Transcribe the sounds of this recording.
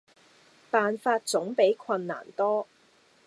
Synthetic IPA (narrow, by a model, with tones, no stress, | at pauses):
paː˨nfaː˧t̚t͡sʊ˨˥ŋpe˨˥jkʰwɐ˧nːa̰ː˨˩nt̪ɔː˥